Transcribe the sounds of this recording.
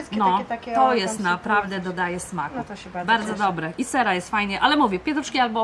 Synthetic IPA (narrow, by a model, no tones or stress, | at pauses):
nnɔt̪ɔjɛst̪napɾavd̪ɛd̪ɔd̪ajɛsmakubaɾd̪zɔd̪ɔbɾɛʔisɛɾajɛst̪fajɲɛʔalɛmuvʲjɛpʲjɛt̪uʂkʲialbɔ